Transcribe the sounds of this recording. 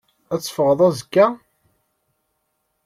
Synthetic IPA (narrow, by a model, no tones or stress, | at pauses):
æt͡sːfəʁðˤæzəkːæ